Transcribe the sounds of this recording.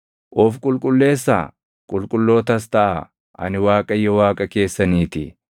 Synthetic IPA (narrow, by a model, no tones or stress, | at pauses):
ʔɔfkʼʊlkʼʊlːe̞ːsːa̰ː | kʼʊlkʼʊlːo̞ːt̪ɐst̪ɐʔa | ɐ̰nɪwaːkʼɐjːɔwaːkʼɐke̞ːsːɐniːt̪ɪ̰